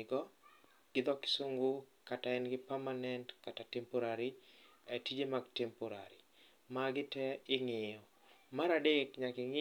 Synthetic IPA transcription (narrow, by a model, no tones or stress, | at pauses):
ɡɔ | ɡ̥ɪd̪ɔkɪ̥soŋɡokataɛnɡɪpamanɛntkatatɛmpoɾaɾiatid͡ʒemaɡtɛmpoɾaɾi | maɡɪtɛɪŋɪjɔ | maɾadekɲakɪŋɪ